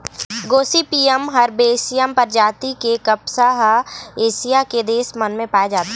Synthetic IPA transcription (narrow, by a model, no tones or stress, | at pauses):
ɡoːsipiːəmɦɐɾbeːsɪjəmpɐɾd͡ʒaːt̪ikekɐpsaɦeːsijaked̪eːsmɐnmẽpaːjed͡ʒaːt̪a